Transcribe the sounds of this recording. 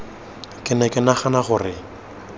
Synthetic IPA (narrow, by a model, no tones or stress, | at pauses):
kʼɪnɛkʼɪnaχanaχʊrɪ